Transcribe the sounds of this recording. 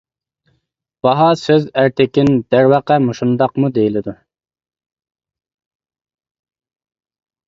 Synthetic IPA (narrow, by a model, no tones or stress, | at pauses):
b̥ɑɦɑsøzæɾt̪ʰɪkʲind̪̥æɾwɑqɛmoʃund̪ɑqmud̪ejilɪd̪u